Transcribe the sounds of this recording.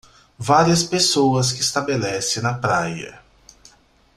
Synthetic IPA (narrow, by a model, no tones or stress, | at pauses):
vaɾiɐspesowɐs̬kɪːst̪abelɛsẽnɐpɾajɐ̰